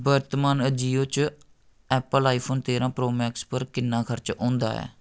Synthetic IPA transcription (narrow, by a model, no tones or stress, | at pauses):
bəɾt̪maːnəd͡ʒiːõːt͡ʃ | ɛːpəlaːipʰoːnt̪eːɾãːpɾoːmɛːkspəɾkɪnːãːkʰəɾt͡ʃõːnd̪a̰ːɛ̰ː